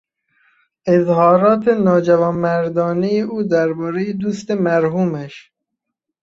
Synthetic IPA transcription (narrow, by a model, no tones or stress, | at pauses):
ezhɒːɾɒːt̪ʰenɒːd͡ʒævɒːnmæɾd̪ɒːnejeʔuːd̪æɾbɒːɾejed̪uːst̪emæɾɦuːmæʃ